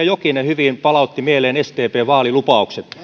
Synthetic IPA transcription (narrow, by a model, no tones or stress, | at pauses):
ɑjokinehyʋinpɑlɑˑut̪ːimieleːnest̪eːpeːʋɑːlilupɑˑukset̪